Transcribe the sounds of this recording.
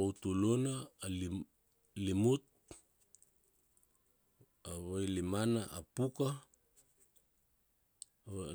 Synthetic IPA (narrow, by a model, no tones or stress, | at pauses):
owtulonaːl | limut̚ | aβajlimanaʔapuka